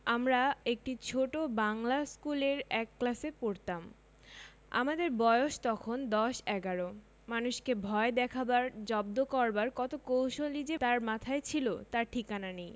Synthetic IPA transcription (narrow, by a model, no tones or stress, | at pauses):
amɾaek̚ʈit͡ɕʰoʈobaŋlaskuleɾɛkːlasepoɾt̪am | a̰mad̪eɾbɔeoʃt̪ɔkʰond̪ɔʃɛɡaɾo | manuʃkebʱɔed̪ɛkʰabaɾd͡ʑɔb̚d̪okɔɾbaɾkɔt̪okowʃolid͡ʑet̪aɾmat̪ʰaet͡ɕʰilo̰t̪aɾʈʰikananej